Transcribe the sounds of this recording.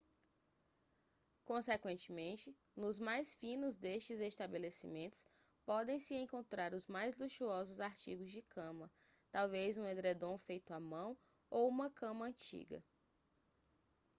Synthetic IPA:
kõsekwẽnt͡ʃɪmẽnt͡ʃɪ | nʊzmajsfĩnʊzd̪eʃt͡ʃɪzest̪abelesḭmẽnt̪ʊ̥s | pɔd̪ẽj̃sɪẽkõnt̪ɾaɾʊzmajzluʃuɔzʊzaɾt͡ʃḭɡʊzd͡ʒɪkʰɐ̃mɐ | t̪awvezũed̪ɾed̪õw̃fejt̪ʊamɐ̃w̃ | owũmɐkɐ̃mɐɐ̃t͡ʃḭɡɐ̰

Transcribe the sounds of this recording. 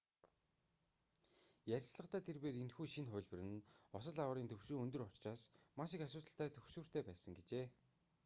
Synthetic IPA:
jæɾʲsɮə̆qt̪aːt̪ʰerpeːɾinxuːʃinχʊ̟ːɮʲpɘ̆rɘ̆nɔsɞ̆ɮawə̆ɾiːnt̪ʰɵwsuːɵnt̪ɵ̆rʊt͡ɕt͡ɕaːsmaʃĭkasʊːt̪ə̆ɬt̪æːt̪ʰɵxsuːr̥t̪ʰeːpæːsə̆ŋɡet͡ɕeː

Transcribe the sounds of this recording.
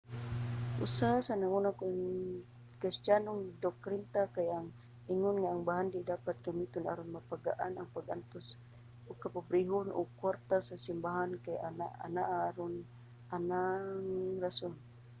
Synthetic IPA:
ṵsasanaŋunaku | kist͡ʃanuŋdɔkɾint̪akajaŋ | iŋʊnŋaːŋbaɦandidapat̪̚kamit̪una̰ɾʊnmapaɡaʔanaŋpaɡant̪us | ukapubɾiɦʊnʔṵkuart̪asasimbaɦankajanaa̰naʔaɾʊn | anaŋrasɔn

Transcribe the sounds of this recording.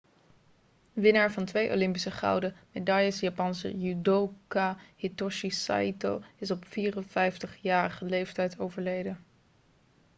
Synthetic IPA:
ʋɪnaːɹvɑntʋejʔo̰lɪmpisəχɑ̰wdəmedɑjəsjapɑnsə̰jydokahitɔʃisa̰ito̰lɪsɔpfiːrənfɛjftəχjaːrəχəlejftɛjtʰowvəɹlejdə

